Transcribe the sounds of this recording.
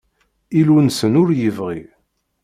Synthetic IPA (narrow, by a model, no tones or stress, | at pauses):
ilunsənʊɾjəvʁi